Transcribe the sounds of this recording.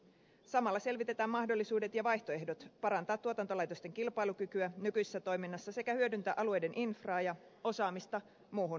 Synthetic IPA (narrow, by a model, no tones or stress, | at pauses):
sɑmɑlːɑse̞lʋit̪e̞t̪æːmmɑhdo̞lːisuːde̞t̪jɑʋɑjçt̪o̞e̞hdo̞t̪pɑɾɑnt̪ɑːt̪ːuot̪ɑnt̪o̞lɑjt̪o̞st̪e̞ŋkilpɑjlukykyænykyjse̥sːæt̪o̞jminːɑsːɑse̞kæhyø̞dynt̪æʔɑlue̞jde̞nʔinfrɑːjɑ | o̞sɑːmist̪ɑ | muːɦun